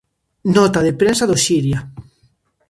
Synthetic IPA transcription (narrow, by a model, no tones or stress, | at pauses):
nɔt̪aðepɾensaðoʃiɾja